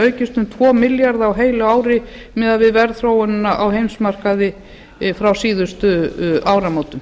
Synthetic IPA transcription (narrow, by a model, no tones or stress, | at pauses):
œɥcɪst̪ʏmt̪ʰvɔːmɪljaɾðawɦeːjlʏaːwɾɪ | mɛðaðvɪðvɛɾθɾoːwʏnʏnːaʔawhejmsmar̥kaðɪ | fɾawsiːðʏst̪ʏawɾamoːwt̪ʏm